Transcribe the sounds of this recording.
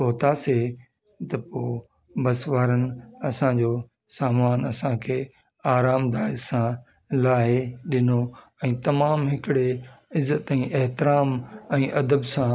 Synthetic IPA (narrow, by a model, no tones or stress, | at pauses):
poːt̪aːse | t̪ɐpoː | bɐsʋaːɾənɪ̆ɐsãd͡ʑoː | saːmaːnɐsãkʰeː | aːɾaːmd̪aːɪsã | laːɦɪɗɪno | ɛ̃ːt̪ɐmaːmɦɪkɪɽeɪzːət̪ɛ̃ːʔeɦt̪ɪɾaːmɛ̃ːʔɐd̪əbsã